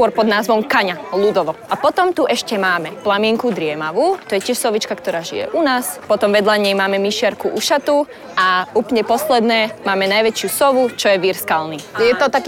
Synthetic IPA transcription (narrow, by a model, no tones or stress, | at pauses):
skʊɔɾpɔd̪naːzʋɔmkaɲalud̪ɔʋɔʔapɔt̪ɔmt̪uʔɛʃcɛmaːmɛplamɪɛŋkud̪ɾɪɛmaʋuːt̪ɔjɛcɪɛʃsɔʋit͡ʃkakt̪ɔɾaːʒḭjɛ̰ʔunaːspɔt̪ɔmʋɛd̪ʎaɲɛjmaːmɛmiʃɪaɾkuʔuʃat̪u | auːpl̩ɲɛpɔslɛd̪nɛːmaːmɛnajʋɛt͡ʃɪusɔʋut͡ʃɔjɛʋiɾskalnijɛt̪ɔt̪akː